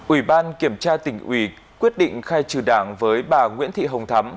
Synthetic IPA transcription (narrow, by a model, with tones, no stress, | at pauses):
ʔwi˧˩ɓaː˧nki˧˩əmt͡ɕaː˧t̪ï˧˩ŋ̟ʔwi˧˩ | kwi˦˥ət̚ɗḭ̈˧˨ŋ̟xaː˧jt͡ɕɨ˧˩ɗaː˧˩ŋvəː˨˦jɓaː˨˩ŋwḭ˧˥ənt̪ʰḭ˧˨ɦə˨˩wŋ͡mt̪ʰa˨˦m